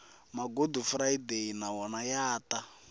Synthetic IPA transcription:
maɡodufraideinawɔnajaːta

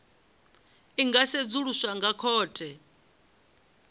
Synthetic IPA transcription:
iŋɡased͡zuɺusaŋɡakʰɔːtʰʼɛ

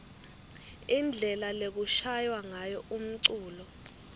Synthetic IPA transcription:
ind͡ɮʱɛlalek̬uʃajwaŋajɔʔum̩ǀuːlɔ

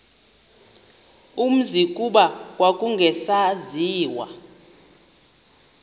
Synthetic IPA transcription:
um̩zikʼuɓawakʼuŋɡʱɛsaziːwa̰

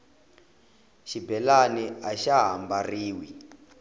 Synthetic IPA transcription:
ʃibɛlanɛaʃaɦambariːwi

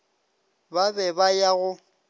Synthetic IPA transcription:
babɛbajaɣʊ

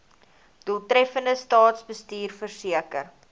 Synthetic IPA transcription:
d̥ulˠtɾɛfəndəstɑːtsbəstiːrfərsiəkər

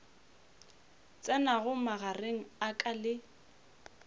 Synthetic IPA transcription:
t͡sʼɛnaɣʊmaɣareŋ̩akʼalɪ

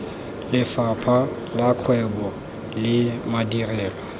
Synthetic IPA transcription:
lɪfapʰa | lakʰwɛbɔ | lɪmadirɛːlɔ

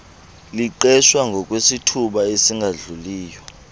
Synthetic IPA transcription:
liǃɛʃwaŋɡʱɔk̬ʼwesitʰuɓaesiŋɡʱaɮuliːjɔ

